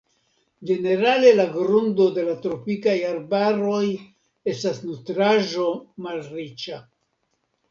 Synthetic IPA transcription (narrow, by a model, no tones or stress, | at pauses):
d͡ʒe̞ne̞ɾale̞laɡɾundo̞de̞latɾo̞pikajaɾbaɾo̞j | e̞stasnutɾaʒo̞malrit͡ʃa